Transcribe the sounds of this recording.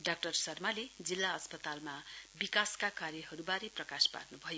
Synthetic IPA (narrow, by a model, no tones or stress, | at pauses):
ɖak̚ʈʌrsʌrmaled͡zilːaʌspʌt̪almabikaskakaɾjʌɦʌɾubaɾeprʌkaspa̰rnubʱʌjo